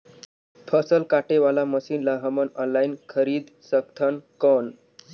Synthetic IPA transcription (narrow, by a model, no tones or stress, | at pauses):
pʰəsəlkaʈeʋalaməsiːnlaɦəmənɔnlainkʰəɾiːd̪ | səkt̪ʰənkɔn